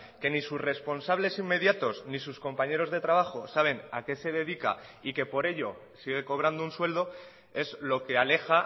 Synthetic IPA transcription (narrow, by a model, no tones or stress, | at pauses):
ke̞nisuszre̞spo̞nsaβ̞le̞simːe̞ðjat̪o̞snisusko̞mpaɲe̞ɾo̞zðe̞t̪ɾaβ̞axo̞saβ̞e̞nake̞se̞ð̞e̞ð̞ika̰ike̞po̞ɾe̞ʎo̞ | siɣ̞e̞ko̞β̞ɾand̪ounswe̞ld̪o̞ | e̞zlo̞ke̞ale̞xa